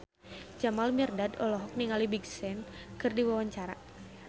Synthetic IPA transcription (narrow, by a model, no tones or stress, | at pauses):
d͡ʒamalmirdadɔlɔɦɔk̚niŋalibiɡsɛnkɨrdiwawaɲt͡ʃaɾa̰